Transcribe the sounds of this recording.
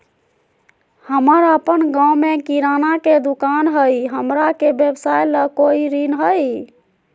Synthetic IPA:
həməɾəpənɡãwmekiɾanaked̪ukanɦəjɦəmɾakebjebsajləkoiɾinɦəj

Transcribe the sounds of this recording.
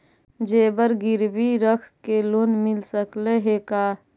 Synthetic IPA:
d͡ʒebəɾɡɪɾbiɾəkʰkeloːnmɪlsəkleɦekaː

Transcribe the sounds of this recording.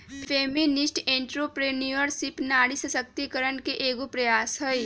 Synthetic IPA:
feːmɪnɪsʈẽːɳʈɾopɾeniəɾsɪpnaːɽisɐsəkt̪ikəɾənkeʔeːɡopɾɐjaːsɦəi

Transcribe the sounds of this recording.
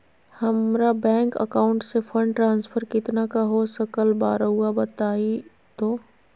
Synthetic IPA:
hɐmɾabɛ̃ːŋkə̰kaːʊ̃ɳʈsefʰə̃ɳɖʈɾãːnspʰəɾkɪt̪nakaɦosəkəlbaːɾɦuabɐt̪aːi | t̪oː

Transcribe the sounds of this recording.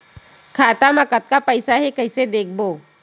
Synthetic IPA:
kʰaːt̪amɐkət̪̚kapəɪsaɦɛkəɪsed̪eːk̚ʰboː

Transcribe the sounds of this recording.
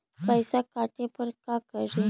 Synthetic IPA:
pəjsakaʈepəɾkakəɽi

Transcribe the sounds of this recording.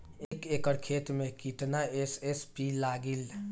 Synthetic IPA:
ekekəɾkʰet̪mekiʈnaesespilaɡil

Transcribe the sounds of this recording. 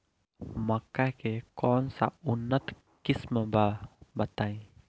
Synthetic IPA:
makakekɔnsa̰ʔunət̪ | kisməmbabat̪ai

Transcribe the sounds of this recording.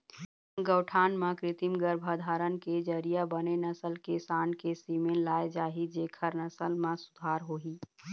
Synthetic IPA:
ɡəːwʈʰaːnmãkɾɪt̪imɡəɾbʱad̪ʱaːɾənked͡ʒəɾijabənenəsəlkesaːnkesimẽnlaːed͡ʒaːɦid͡ʒeːkʰəɾnəsəlmãsʊd̪ʱaːɾɦoːɦiː

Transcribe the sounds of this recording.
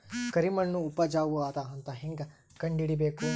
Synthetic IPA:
kɐɾimɐɳːuːpɐd͡ʒaːʋuaːt̪ɐɐnt̪ɐɦeŋɡ | kɐɳɖiɽibeːku

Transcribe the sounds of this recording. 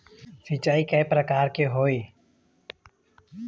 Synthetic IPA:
sɪt͡ʃaːikɛepɾəkaːɾkeɦoːeː

